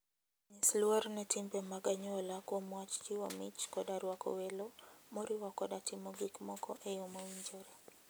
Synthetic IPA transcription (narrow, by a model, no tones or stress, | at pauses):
nisluaɾnɛtimbɛmaɡaɲɔlakwɔmwat͡ʃt͡ʃiwamit͡ʃkɔɗaɾwakɔ̰wɛlɔmɔɾiwakɔɗatʰimɔɡikmɔkʰɔ̰ʔɛjɔmɔwiɲd͡ʒɔɾa